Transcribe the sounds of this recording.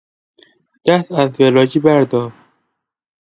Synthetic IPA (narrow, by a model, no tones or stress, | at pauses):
d̪̥æst̪æzvelɒːd͡ʒiːbæɾd̪ɒːɾ